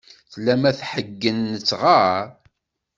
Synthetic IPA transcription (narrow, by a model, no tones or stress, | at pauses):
θlæmæθħəɡːənːət͡sːʁaɾ